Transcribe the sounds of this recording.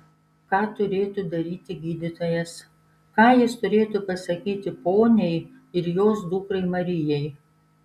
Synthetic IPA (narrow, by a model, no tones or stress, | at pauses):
kɑːt̪ʊɾʲeːt̪uːd̪ɐɾʲiːt̪ʲɪɡʲiːd̪ʲɪt̪oːjɛs | kɑːjɪst̪ʊɾʲeːt̪uːpɐsɐkʲiːt̪ʲɪpoːnʲɛɪ | ɪɾjoːs̬d̪uːkɾɐɪmɐɾʲɪjɛɪ